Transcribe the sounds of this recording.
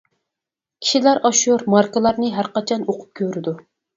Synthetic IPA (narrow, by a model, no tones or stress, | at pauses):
kʲʰi̥ʃilæɾɑʃuɾmɑɾkəlˠɑɾnɨɦæɾqɑt͡ʃʰɑnoqʰʊ̥p̚kʲʰøɾɪd̪u